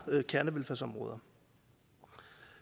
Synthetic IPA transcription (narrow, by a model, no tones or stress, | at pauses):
kʰæɐnəʋelfæsɒ̽mʁɔ̰ːð̞ˠɐ